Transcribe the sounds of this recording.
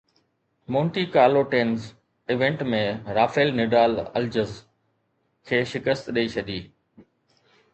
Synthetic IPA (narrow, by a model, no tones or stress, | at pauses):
mõːɳʈikaːloʈeːnz | ɪʋẽɳʈmẽɾaːfeːlnɪɖaːlɐ̰ld͡ʑəz | kʰeːʃɪkəst̪ɗəit͡ɕʰɐd̪iː